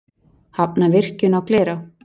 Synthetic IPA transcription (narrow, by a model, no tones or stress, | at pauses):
hap̚navɪr̥cʏnawklɛːɾaw